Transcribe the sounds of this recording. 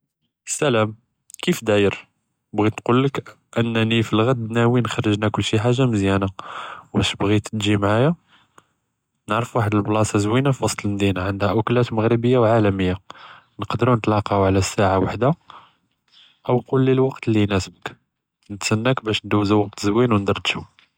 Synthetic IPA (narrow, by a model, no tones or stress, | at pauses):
sːælæm | kifd̪æjəɾ | bɣinqulːək | ʔənːnifilɣæd̪̚bnæwinxɑrˤːəʒnækʊlːʃiħaʒːaməzjænawbæʃbɣit̪ət̪ʒimʕaja | nəʕɾəfwaħəd̪əlblɑsˤɑzwinafiwɑsˤt̪ˤləlmd̪inaʕənd̪hæʔʊklæt̪məɣɾəbəjːawʕalæməjːa | nəqd̪ɾunət̪lɑqɑhuʕlæsːaʕawaħd̪a | ʔəwqulːilwɑqt̪lːinæsəbək | nət̪sænːækbæʃnd̪uwːzuwɑq̚t̪zwinwnd̪ɑɾˤd̪ʃu